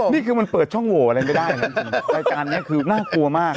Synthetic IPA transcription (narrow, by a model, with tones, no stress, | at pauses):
niː˥˩kʰɯː˧ma˧npɤː˨˩t̪̚t͡ɕʰɔ˥˩ŋwoː˨˩ʔa˧ɾa˧jma˥˩daː˥˩jna˦˥ɯ˧ɾaː˧jkaː˧nːi˦˥ɐkʰɯː˧naː˥˩klu˧ɐmaː˥˩k̚